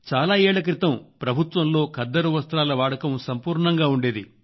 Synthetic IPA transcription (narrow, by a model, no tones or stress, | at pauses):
t͡ʃaːlaːɛːɭɐk̬ɾit̪ɐmpɾɐbʱut̪ʋɐmlo̞ːkɐd̪ːɐɾuʋɐst̪ɾaːlɐʋaːɽɐkɐmsɐmpuːɾɳɐŋɡaːuɳɖeːd̪ḭ